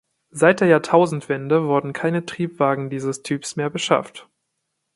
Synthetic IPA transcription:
zaɪt̚d̥eːɐjaːɐtʰaʊzn̩tv̥ɛndəvʊɐdn̩kʰaɪnətʁ̥iːpv̥aːɡŋ̩diːzəstʰyːpsmeːɐbəʃa̰ft

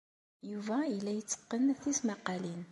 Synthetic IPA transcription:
juvæilːæjət͡sːə̥qːənθismɑqɑlin

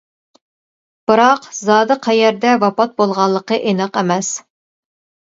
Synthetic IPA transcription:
b̥ɨɾɑqzɑːd̪ɨqʰæjɛɾd̪ɛwɑpɑt̪̚bolˠʁɑlˠːəqəʔenɑqemɛs

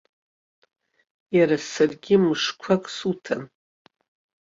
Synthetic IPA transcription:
jaɾasarɡʲɪmɨʂkʷʰakʼsutʰan

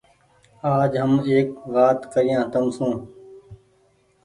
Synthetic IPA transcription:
aːd͡ʒɦəmeːkʋaːt̪kəɾɪjãːt̪əmsũː

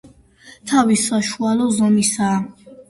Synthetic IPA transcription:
t̪ʰavisaʃualɔzɔmisaː

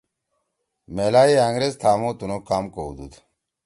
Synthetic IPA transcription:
meːlaːiaːŋɡɾezt̪ʰaːmoːt̪unokaːmkoud̪ṵd̪

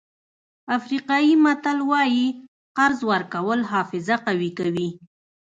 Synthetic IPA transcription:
afɾiqɑjimat̪alwɑji | qaɾzwaɾkawəlɦɑfɪzaqawikawi

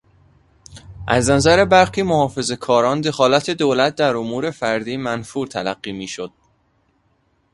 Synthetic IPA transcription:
ʔæznæzæɾe̞bæɾxiːmohɒːfe̞ze̞kʰɒːɾɒːnd̪e̞xɒːlæt̪ʰe̞d̪oːlæt̪̚d̪æɾomuːɾe̞fæɾd̪iːmænfuːɾt̪ʰælæɢːiːmiːʃo̞d̪̥̚

